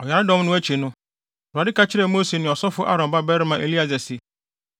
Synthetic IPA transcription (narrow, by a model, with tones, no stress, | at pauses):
ɔ˨ja˨ɾɪ˦dɔ̃˦m˦nʊ̃˦æ˦t͡ɕʰe˨nʊ̃˦˨ | dʊ˨a˨dɪ˦kʰa˦t͡ɕʰɪ˦ɾɛ˨mo˦se˨nɪ̃˨ɔ˨sɔ˦fʊ˦ʔa˦ɾɔ̃˨mba˦bɛ˦ɾɪ˦mã˨ʔe˨li˦a˨zɛ˨sɪ˨